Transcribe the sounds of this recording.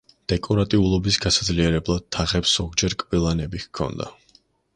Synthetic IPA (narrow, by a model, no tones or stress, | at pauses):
d̪̥ɛkʼɔɾat̪ʼiulˠɔbisɡasad̪zliɛɾɛblˠad̪̚t̪ʰːaʁɛpsz̥ɔɡd͡ʒɛɾkʼvilˠanɛbikʰɔ̰nd̪a̰